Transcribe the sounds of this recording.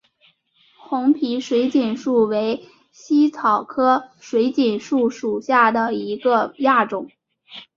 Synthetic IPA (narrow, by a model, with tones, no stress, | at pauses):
xʊ˧˥ŋpʰi˧˥ʂwe˧˥ɪt͡ɕiɛ˨˩nʂu˥˩we˧˥ɪ | ɕi˥t͡sʰɑ˨˩ʊkʰɤ˥ʂwe˧˥ɪt͡ɕi˨˩nʂu˥˩ʂu˨˩ɕja˥˩d̪ə˩i˧˥ɡə˧ja˥˩ʈ͡ʂʊ˨˩˦ŋ